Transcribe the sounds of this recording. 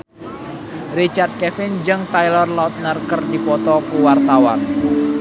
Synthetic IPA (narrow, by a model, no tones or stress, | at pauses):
rit͡ʃart̪̚kɛfɪnd͡ʒɨŋt̪ajlɔrlaʊt̪̚nərkərd̪ipɔt̪ɔpuwart̪awa̰n